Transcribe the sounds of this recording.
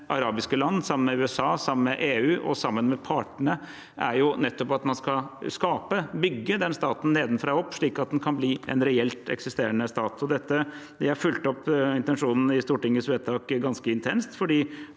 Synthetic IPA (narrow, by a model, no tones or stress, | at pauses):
ʔɑɾɑːbɪskəlɑnːsɑmənmɛʉːɛsɑːsɑmmɛʔeːʉːʔɔ̰sɑmːənmɛpʰɑːʈəɳə | ʔæ̰ɾjʊnɛt̪ːɔpɑt̪mɑnskɑskɑːpəbʏɡːəd̪ɛnst̪ɑːt̪n̩neːd̪n̩fɾɑɔpːʂɭiːkɑt̪̚d̪ɛnkʰɑnbliːɛ̰nɾɛɛlt̪ɛ̰ksɪst̪eːɾəɳəst̪ɑːt̪ʰɔd̪ɛt̪ːəd̪ɛæɾfʉlt̪ɔpːɪnt̪ɛnʂuːnn̩ɪst̪uːʈɪŋːəsʋeɛːt̪ʰɑːkɡɑnskəɪnt̪ʰɛnst̪fɔɖiː